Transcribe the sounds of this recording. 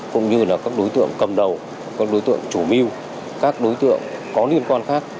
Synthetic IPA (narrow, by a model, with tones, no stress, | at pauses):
kʊ̰˧˥ŋ͡mɲɨ˧laː˨˩kaː˦˥k̚ɗo˨˦jt̪ɨ̰˧˨əŋkə˨˩mɗə˨˩w | kaː˦˥k̚ɗo˨˦jt̪ɨ̰˧˨əŋt͡ɕu˧˩mi˧w | kaː˦˥k̚ɗo˨˦jt̪ɨ̰˧˨əŋkɔ˨˦ni˧əmkwaː˧nxaː˦˥k̚